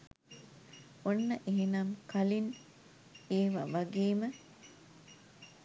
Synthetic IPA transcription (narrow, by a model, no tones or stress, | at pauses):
onːəʔeɦenamkɐlin | eːʋɐʋɐɡeːmə